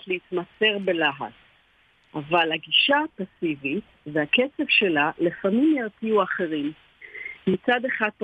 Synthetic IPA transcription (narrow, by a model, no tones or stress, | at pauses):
tleit̪mase̞ʁbe̞laɦa̰t͡s | ʔavalaɡiʃapasivit | veaket͡sevʃe̞lalefamimjaʁt͡siuaχe̞ʁim | mit͡sad̪e̞χat̚